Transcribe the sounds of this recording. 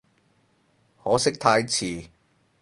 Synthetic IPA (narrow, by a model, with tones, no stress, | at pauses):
hɔː˨˥sɪ˥k̚t̪ʰaː˧jt͡sʰiː˨˩